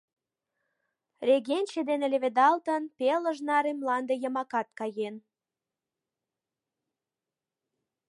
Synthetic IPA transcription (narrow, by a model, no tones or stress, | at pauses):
rʲeɣenʲt͡ɕed̪enelʲeβed̪ɑlt̪ənpeləʒnɑɾemlɑnd̪ejəmɑkɑt̪̚kɑjen